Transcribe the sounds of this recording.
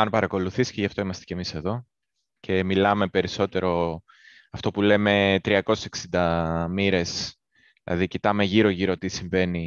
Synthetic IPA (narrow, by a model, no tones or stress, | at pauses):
ɐnpɐɾɐko̞luθisceʝɐft̪o̞imɐst̪e̥cemise̞ðo̞ | cʰe̞milɐme̞pe̞ɾiso̞t̪e̞ɾo̞ | ɐft̪o̞pule̞me̞t̪ɾiɐko̞seseksind̪ɐmiɾe̞s | ðilʔɐ̰ðicit̪ɐme̞ʝiɾo̞ʝiɾo̞t̪isiɱve̞ni